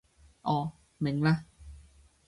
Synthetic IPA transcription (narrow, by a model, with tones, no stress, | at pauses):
ʔɔː˨˧˩ | me˨˩˦ŋla˦˥